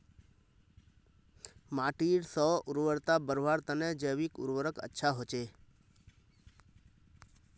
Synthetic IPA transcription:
maːʈiːɾsɔːʊɾʋəɾt̪abəɾʋaɾt̪ənɛd͡ʒəjʋikʊ̰ɾʋəɾəkə̰tːʃʰaɦoːt͡ʃeː

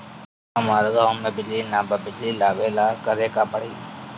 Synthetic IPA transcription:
aːmaːɾd̪aoːmeːbɪliːnaːbəbɪliːlaːʋeːlaːkəɾeːkaːpəɽiː

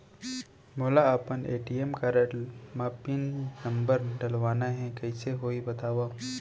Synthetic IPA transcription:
moːlaɐpənḛːʈiemkaɾəmaːpinːɐ̃mbəɾɖɐlʋaːnaɦɛ̃kɐɪseɦoːibɐt̪aːwa

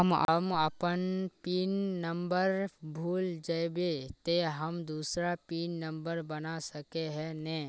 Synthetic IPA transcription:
əməməpənpiːnːəmbəɾbʱuːld͡ʒəjbet̪eɦəmd̪uːsɾapiːnːə̃mbəɾbənasɐkeɦɛnɛ

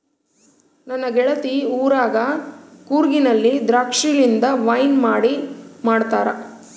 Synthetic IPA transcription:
nɐnːɐɡɛɭɐt̪iuːɾaːɡɐkuːɾɡinɐlːid̪ɾaːkʂiɭind̪ɐʋɐjnmaːɽimaːɽt̪aːɾɐ

